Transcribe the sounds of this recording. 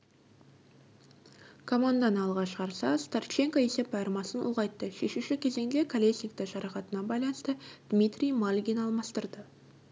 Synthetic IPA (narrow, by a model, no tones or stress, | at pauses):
kʰomand̪ɑnɑlˠʁɑʃʁɑɾsɑst̪art͡ʃe̞ŋkoese̞p̚bɑjɾmɑsənʔṵʁɑjt̪ːəʃe̞ʃuʃɪkʲʰe̞ze̞ŋd̪e̞kʰalʲesnʲik̚t̪əʃʒɑɾɑqɑt̪ənɑbɑjlˠɑnəst̪əd̪̥mʲit̪rʲijmalʲɡʲinɑlˠmɑst̪əɾd̪ə